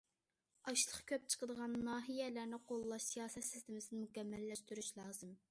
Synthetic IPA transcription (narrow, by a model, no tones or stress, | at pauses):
ɑʃlˠəχkʲʰøp̚t͡ʃʰə̥qəd̪əʁɑnːɑːɦijɛlæɾnɪqʰolˠlˠɑʃsijɑːsɛt̪sɪ̥st̪ɪmɪsɪnɪmukʲɛmːælːɛʃt̪yɾyʃlˠɑːzɨm